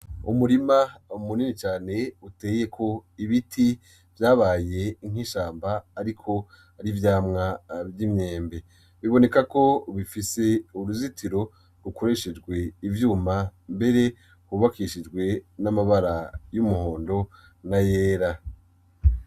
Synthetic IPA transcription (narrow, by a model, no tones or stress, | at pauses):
ṵmuɾimaumuninit͡ʃaːne̞ute̞ːje̞kʰo̞iβitʰi | vjaːβaːje̞iŋ̥hiʃaːmbaːɾikʰo̞ | aɾivjaːmŋavimɲe̞ːmbe̞ | βiβo̞ne̞kako̞βifise̞uɾuzitʰiɾo̞ | ɡukʰo̞ɾe̞ʃed͡ʒɡwe̞ivjuːmambe̞ɾe̞ | huβakiʃid͡ʒɡwe̞namaβaɾajumuho̞ːndo̞ | najeːɾa